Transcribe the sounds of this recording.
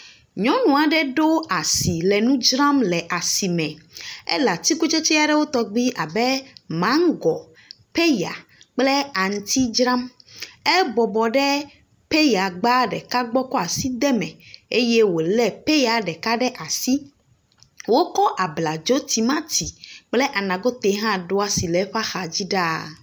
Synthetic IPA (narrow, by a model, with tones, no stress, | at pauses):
ɲɔ̃˨˦nũ˨a˨ɖɛ˦ɖo˦a˨si˨lɛ˨nũ˦d͡ʒɾã˦mlɛ˨ʔa˨si˨mɛ̃˨ɛ̰˦la˨t̪i˦ku˦t͡ʃe˦t͡ʃɛ˦a˨ɖɛ˦wo˦t̪ɔ˦ɡ͡bi˦ʔa˨bɛ˦mã˨˦ŋ˦ɡɔ˨ | pɛ˦ja̰˨k͡plɛ˦a˨ŋ̩˨t̪i˦d͡ʒɾã˦mɛ˦bɔ˨bɔ˨ɖɛ˦ | pe˦ja˨ɡ͡ba˦ɖɛ˨ka˦ɡ͡bɔ˦kɔ˦a˨si˦d̪ɛ˦mɛ̃˨e˦je˦wo˨lɛ˦pe˦ja˨ɖɛ˨ka˦ɖɛ˦ʔa˨si˦ | wo˦kɔ˦ʔa˨bla˨d͡ʒo˦t̪i˨mã˦t̪i˨k͡plɛ˦ʔa˨nã˨ɡo˦t̪e˨˦ɦã˦ɖo˦a˨si˨lɛ˨˦ɸa˦xa˨d͡ʑi˦ɖa˦